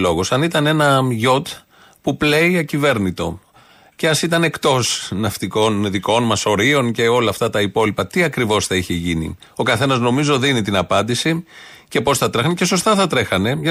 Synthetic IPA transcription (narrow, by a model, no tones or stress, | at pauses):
lo̞ɣosɐnit̪ɐne̞nɐʝo̞t̪ | puple̞iɐcive̞ɾnit̪o̞̰ | ceɐsit̪ɐne̞kt̪o̞snɐft̪iko̞nðiko̞nmɐso̞ɾio̞nce̞o̞lɐːft̪ɐt̪ɐipo̞lipɐt̪iɐkɾivo̞sθɐiçe̞ʝinḭ | o̞kɐθe̞nɐzno̞mizo̞ðinit̪inɐpɐnd̪isice̞po̞sθɐt̪ɾexɐnece̞s̬o̞st̪ɐθɐt̪ɾe̞xɐne̞ʝɐ